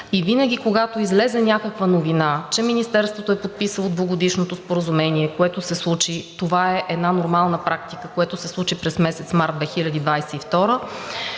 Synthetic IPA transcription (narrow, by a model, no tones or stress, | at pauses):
ivinəɡʲikoɡat̪oizlɛzɛnʲakəkvənovinat͡ʃɛminist̪ɛɾst̪vot̪oɛpot̪̚pisəlˠod̪voɡod̪iʃnot̪ospoɾəzumɛniɛkoɛt̪osɛslˠut͡ʃit̪ovaɛʔɛd̪nanoɾmalˠnəpɾak̚t̪ikəkoɛt̪osɛslˠut͡ʃipɾɛsmɛsɛt̪smaɾd̪vɛxilʲəd̪id̪vajsɛift̪ɔɾə